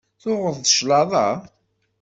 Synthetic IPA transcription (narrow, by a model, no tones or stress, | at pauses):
θʊʁəðˤðəʃlɑðˤɑ